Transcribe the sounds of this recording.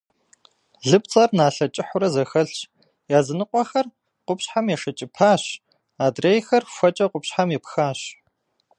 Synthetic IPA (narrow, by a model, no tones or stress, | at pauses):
ɮɨp̚t͡sʼɐrnaːɬɐt͡ʃʼɪħʊɾɐzɐxɐɬt͡ʃ | jaːzɨnɨqʷɔxɐr | qʷʊpɕħamjɛʂɐt͡ʃʼɪpʰaːɕ | aːdreːjxɐrxʷɐt͡ʃʼɐqʷʼʊpɕħamjɛpxaːɕ